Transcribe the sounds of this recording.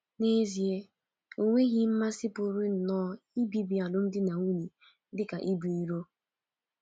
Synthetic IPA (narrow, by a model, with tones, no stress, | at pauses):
ne˦zi˨e˦ | o˨ŋʷe˦ɣi˦m̩˦ma˦sɪ˦pʊ˨ɾʊ˦n̩˨nɔː˦i˦bi˦bi˨a˨lʊ˦n̩˦dɪ˦na˨ŋʷu˦ɲi˨˦ | dɪ˦ka˨ʔi˦bu˨i˦ɾo˦